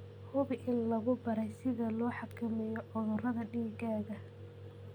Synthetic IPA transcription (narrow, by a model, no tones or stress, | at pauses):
hʊβɪʔɪnlɐɣʊbɐɾɛjsɪðɐlɔːħɑkʰɐmɛjɔʔʊðʊrɐðɐɖiːɡaːɣɐ